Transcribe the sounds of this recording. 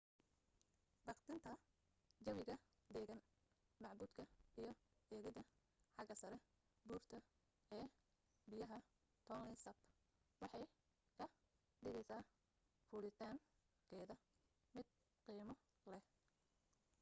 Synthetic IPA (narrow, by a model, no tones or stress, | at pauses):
bɑqt̪ʰɪnt̪ʰɐ | d͡ʒɐβɪɣɐ | d̪ɛːɣɐn | mɑʕbuːd̪kʰɐijɞɛːɣɪðɐ | ħɑɡɐsɐɾɛ | buːrt̪ʰɐ | ɛː | bɪjɐɦɐ | t̪ʰɔːlɛsɐb | wɑħɑj | kʰɐ | ɖɪɣɛjsaː | fuːlɪt̪ʰaːŋ | kʰɛːðɐ | mɪd̪̚ | qiːmɔ | lɛh